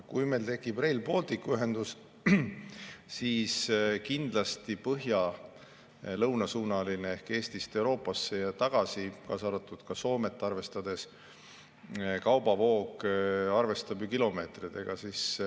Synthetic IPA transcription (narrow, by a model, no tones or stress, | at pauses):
kujme̞lt̪e̞kːˑib̥re̞jlbo̞lt̪ikːuyɦe̞nd̪̥us | siːskind̪̥lɑst̪ipɤɦjɑ | lɤwnɑsuːnɑlineehke̞ːst̪ist̪e̞wɾo̞ːpːˑɑsːe̞jɑt̪ɑɡ̥ɑsikɑːsɑɾɑt̪ːˑud̪̥kɑso̞ːme̞t̪ːˑɑrve̞st̪ɑd̪e̞s | kɑwb̥ɑvo̞ːkɑrve̞st̪ɑbjukilo̞me̞ːt̪rid̪̥e̞ɡ̥ɑsis